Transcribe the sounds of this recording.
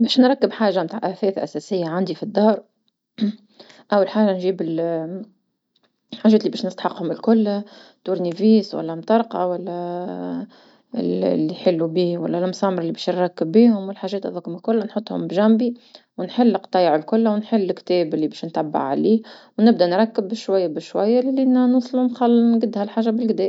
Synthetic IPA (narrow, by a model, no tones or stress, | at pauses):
bɛːʃnɾˤɑkːɪbħaːʒamt̪aːʕʔæfɛːθʔæ̰sɛsɪjːaʕand̪ifid̪ːɑːɾˤ | ʔawːalħaːʒanʒiːbɪl | ħaːʒɛːt̪libɛːʃnɪst̪ḁħɑqːhʊmɪlkʊlːt̪uːɾniviːswa̰lːæmt̪ˤɑɾˤqɑwælːæ | ɪ̰llːiħɪlːubiːwæ̰lːælmʊsɑːmɑɾˤɪlːibɛːʃnɾˤɑkːɪbːiːhʊmwɪlħaːʒɛːt̪ʔɑ̰ðˤɑkʊmɪlkʊlːænħʊt̪ˤːhʊ̰mbʒæmbi | wnħɪlːqt̪ˤɑːjʕɪlkʊlːwnħɪlːɪkt̪ɛːbɪlːibɛːʃnt̪abːa̰ʕʕa̰liːwnɪbd̪ænɾˤɑkːɪbʃwajːabɪʃwæjːalːinnuːsˤlunxɑlːɡɪd̪ːhælħaːʒːabɪlɡd̪ɛːʔ